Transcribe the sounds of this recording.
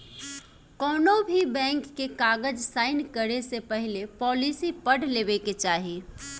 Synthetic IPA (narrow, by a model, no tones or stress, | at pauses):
kɔːnobʱibɛ̃ːŋkːekaːɡəd͡ʒsaːɪnkəɾesepəɦɪlepɔːlisipəɽ̤lebeket͡ʃaːɦi